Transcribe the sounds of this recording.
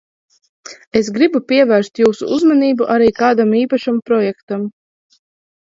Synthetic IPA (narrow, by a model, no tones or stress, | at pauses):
esɡɾibupʲiɛvæːɾst̪juːsṵʔuzmaniːbuʔaɾiːkaːd̪amiːpaʃampɾɔjɛkt̪am